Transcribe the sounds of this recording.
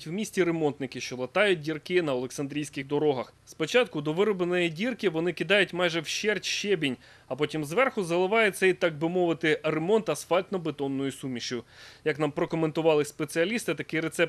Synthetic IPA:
tʲwmʲisʲtʲiɾemɔnt̪nɪkɪʃt͡ʃɔlˠɐt̪ɑjʊt̚ʲdʲirkɪnɐɔlˠeksɐnd̪ɾʲijsʲkɪxd̪ɔɾɔɦɐxspɔt͡ʃɑt̪kʊd̪ɔʋɪɾɔbenɔjidʲirkɪʋɔnɪkʲɪd̪ɑjʊtʲmɑjʒɛwʃɛrtʲʃɛbʲinʲ | ɐpɔtʲimzʋɛrxʊzɐlˠɪʋɑjɛt̪sɛjt̪ɑɡ̚bɪmɔʋɪt̪ɪremɔnt̪ɐsfɑlʲt̪nɔbet̪ɔnːɔjʊsumʲiʃʊjɐknɑmpɾɔkɔment̪ʊʋɑlˠɪspet̪sɪɐlʲist̪ɪt̪ɐkɪjɾet̪sɛp̪̚

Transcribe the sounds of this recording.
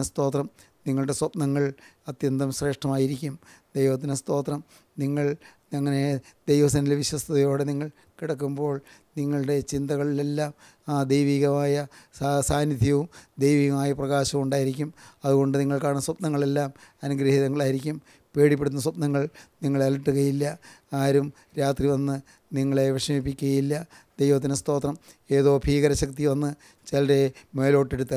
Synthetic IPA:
ɐst̪o̞ːt̪rɐm | niŋːɐɭɽe̞swɐpnɐŋːɐɭɐt̪jɐnd̪ɐmɕre̞ːʂʈɐmaːjiɾikʲːum | d̪ejʋɐt̪ːinɐst̪o̞ːt̪rɐm | niŋːɐɭ | ɐŋːɐne̞d̪ejʋɐsɐnilʋiɕwɐst̪ʰɐðɐjo̞ːɽe̞niŋːɐɭ | kiɽɐkːumbo̞ːɭ | niŋːɐɭɽe̞t͡ɕind̪ɐɣɐɭilelːaːm | d̪ejʋiːɣɐmaːjɐsaːnid̪ʱjɐʋumd̪ejʋiːɣɐmaːjɐprɐɣaːɕɐʋuɳɖaːjiɾikʲːumɐðuɣo̞ɳɖɨniŋːɐɭkaːɳnːɐsɐpnɐŋːɐɭe̞lːaːmɐnuɡɾɐhiðɐŋːɐɭaːjiɾikʲːum | pe̞ːɽip̬ːeɽt̪ːnːɐs̬wɐpnɐŋːɐɭniŋːɐɭeɐliʈːuɣɐjilːɐaːɾum | ɾaːt̪riʋɐnːɨ | niŋːɐɭe̞ʋeʂɐmipːikʲːuɣɐjilːɐ | d̪̥ejʋɐt̪̬ːinɨst̪o̞ːt̪rɐm | e̞ːðo̞ːbʱiːɣɐɾɐɕɐk̚t̪iʋɐnːɨ | t͡ɕelɐɾeme̞ːlo̞ːʈːe̞ɽut̪ːɐ

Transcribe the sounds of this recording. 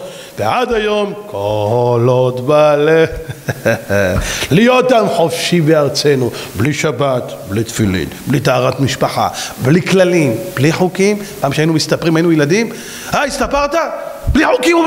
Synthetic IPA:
veʕad̪ajo̞mkʰolot̪bale | lijot̪ːamħo̞fʃibeaʁt͡senubliʃabat̪blit̪filḭnblit̪aaʁat̪miʃpaħa̰bliklalimbliħukimpaːmʃeainumist̪apʁimainujelad̪im | aist̪apaʁt̪abliħukimu

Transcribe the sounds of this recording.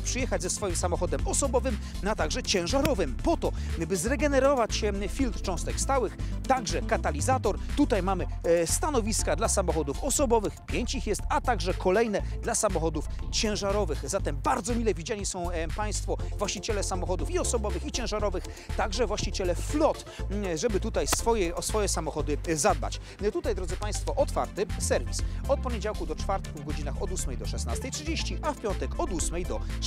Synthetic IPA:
pʂɨjɛxad͡ʑzɛsfɔjimsamɔxɔd̪ɛmɔsɔbɔvɘm | at̪aɡʐɛt͡ɕɛ̃w̃ʐaɾɔvɘmpɔt̪ɔbɘzɾɛɡɛnɛɾɔvat͡ɕɕɛfʲilt̪ɾt͡ʂɔ̃w̃st̪ɛkst̪awɘx | t̪aɡʐɛkat̪alʲizat̪ɔɾ | t̪ut̪ajmamɘ | st̪anɔvʲiskad̪lasamɔxɔd̪ufɔsɔbɔvɘxpʲjeɲt͡ɕixjɛst̪at̪aɡʐɛkʰɔlɛjnɛ | d̪lasamɔxɔd̪uft͡ɕɛ̃w̃ʐaɾɔvɘxzat̪ɛmbaɾd̪zɔmʲilɛvʲid͡ʑaɲisɔ̃w̃paj̃st̪fɔvwaɕt͡ɕit͡ɕɛlɛsamɔxɔd̪ufiɔsɔbɔvɘxit͡ɕɛ̃w̃ʐaɾɔvɘxt̪aɡʐɛvwaɕt͡ɕit͡ɕɛlɛflɔt̪ | ʐɛbɘt̪ut̪ajsfɔjɛsfɔjɛsamɔxɔd̪ɘzad̪̚ba̰t͡ɕ | t̪ut̪ajd̪ɾɔd̪zɘpaj̃st̪fɔʔɔt̪fa̰ɾt̪ɘsɛɾvʲisɔt̪̚pɔɲed͡ʑawkud̪ɔt͡ʂfaɾt̪kuvɡɔd͡ʑinaxɔd̪usmɛjd̪ɔʂɛsna̰st̪ɛjtʂɘd͡ʑeɕt͡ɕiʔafpʲjɔnt̪ɛkɔd̪usmɛjd̪ɔ

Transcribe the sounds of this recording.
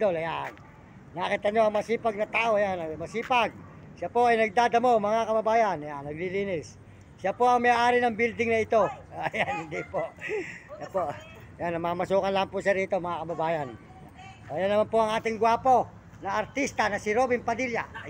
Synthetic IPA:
d̪olɐjan | naːkɪt̪ɐɲo̞ɐŋmɐsiːpaɡ̚nɐt̪aːʔojanɐmɐsiːpaɡ̚ | ʃapo̞ʔɐjnɐɡ̚d̪aːd̪ɐmo̞mɐŋakɐbɐbaːjanjanːɐɡ̚liliːnɪs | ʃapo̞ɐŋmɐjaːʔaːɾɪnɐŋbild̪ɪŋnɐɪt̪o̞janhɪnd̪ipoʔjapo | janːɐmamɐsuːkɐnlampʊʃaɾiːt̪o̞mɐŋakɐbɐbaːjan | ʔojanːɐmanpoʔɐŋʔaːt̪ɪŋɡwaːpo̞ | nɐɐɾt̪ist̪anɐsɪɾobɪmpɐd̪ilja̰

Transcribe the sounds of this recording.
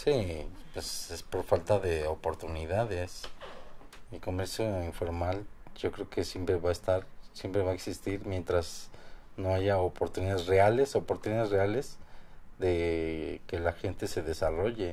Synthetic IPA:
sipwesespo̞ɾfalt̪aðe̞opo̞ɾt̪uniðaðes | iko̞me̞ɾsjoiɱfo̞ɾmalʝo̞kɾe̞oke̞sje̞mpɾeβaest̪aɾsje̞mpɾe̞βaeksist̪iɾmje̞nt̪ɾazno̞aʝaopo̞ɾt̪uniðaðezreale̞so̞poɾt̪uniðaðezreale̞zðe̞ke̞laxe̞nt̪e̞se̞ðe̞saro̞ʝe̞

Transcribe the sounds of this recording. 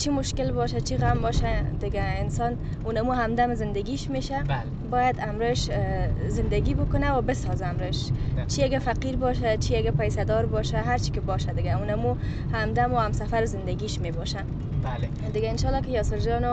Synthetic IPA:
t͡ʃʰimʊʃkɪlbɔʃat͡ʃʰiɣambɔʃad̪ɪɡaɪnsɔn | unamuɦamd̪amzɪnd̪aɡiʃmeʃa | bɔjad̪amɾɪʃzɪnd̪aɡibʊkʊnawabɪsɔzaːmɾɪʃt͡ʃiaɡafaqiɾbɔʃ̬at͡ʃiaɡapajsad̪ɔɾbɔʃaɦaɾt͡ʃi̥kɪbɔʃad̪ɪɡaunamu | hamd̪amoamsafaɾɪzɪnd̪aɡiʃmebɔʃa | a | d̪ɪɡaɪnʃɑlːɔkɪjɔsɪɾd͡ʒɔnʊ

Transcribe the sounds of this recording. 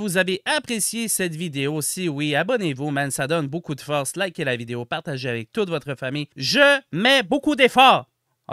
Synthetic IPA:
vuzaveʔapχesjesɛt̪vid̪eosiwiabɔnevumɛnsad̪ɔnbokud̪əfɔʁslakʲɛlːavid̪eopaʁt̪aʒeavɛk̚t̪ut̪vɔt̪χəfamijʒəmɛbokud̪efɔːʁ̰

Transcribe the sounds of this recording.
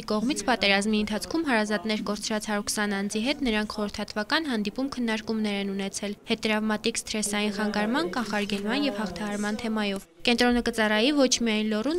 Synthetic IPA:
ikɔʁmit͡sʰpɑt̪ɛɾɑzmiənt̪ʰɑt͡sʰkʰumɦɑɾɑzɑt̪nɛɾkɔɾt͡sʰɾɑt͡shɑɾuɾkʰsɑnɑnd͡ziɦɛt̪nəɾɑŋkʰχɔɾəɾt̪ʰɑt̪ʰvɑkɑnɦɑnd̪ipumkʰənːɑɾkumnɛɾɛnunɛt͡sʰɛlhɛt̪ɾɑvmɑt̪ikst̪ɾɛsɑjinχɑŋɡɑɾmɑnkɑnχɑɾɡɛlmɑnjɛvhɑχt̪ʰɑhɑɾmɑnt̪ʰɛmɑjɔvkɛnt̪ɾɔnəkət͡sɑrɑjivɔt͡ʃʰmijɑjnlɔrun

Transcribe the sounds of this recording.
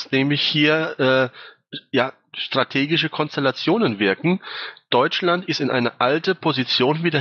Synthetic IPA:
snɛːmlɪçhiːɐʔɛː | jaː | ʃtʁ̥atʰeːɡɪʃəkʰɔnstɛlat͡sjoːnənvɪɐkŋ̩d̥ɔʏt͡ʃlantɪstɪnʔaɪnɐʔaltəpʰozit͡sjoːnviːdɐ

